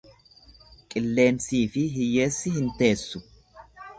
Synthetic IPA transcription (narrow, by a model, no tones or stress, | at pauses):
kʼɪlːe̞ːnsiːfɪɦɪje̞ːsːɪɦɪnt̪e̞ːsːʊ